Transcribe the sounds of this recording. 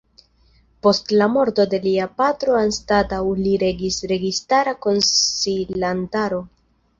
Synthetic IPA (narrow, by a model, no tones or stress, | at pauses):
po̞stlamo̞ɾdo̞de̞liapatɾo̞anstatawliɾe̞ɡisɾe̞ɡistaɾako̞nsilantaɾo̞